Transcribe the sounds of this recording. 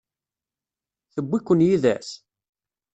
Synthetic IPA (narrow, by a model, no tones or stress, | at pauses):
θəbːikʷːənjiðæ̰s